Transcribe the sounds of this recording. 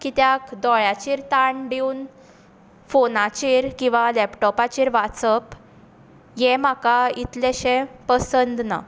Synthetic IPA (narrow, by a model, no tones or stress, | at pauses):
kit̪jakd̪ɔɭat͡ɕiːɾt̪aɳɖiun | fonat͡ɕiɾkĩw̃ʋalɛpʈɔpat͡ɕiːɾʋat͡səp | jɛ̃makait̪lɛɕɛ̃pəsənd̪na̰